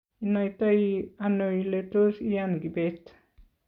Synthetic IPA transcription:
inajt̪ajanoiletosijanɡibet̪

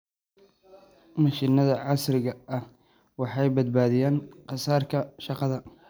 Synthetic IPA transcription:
mɐʃɪnɐðɐʕɑsɾɪɣɐɐh | wɑħɑjbɐd̪̚baːðɪjaːnqɑsaːrkʰɐʃɑqɑðɐ

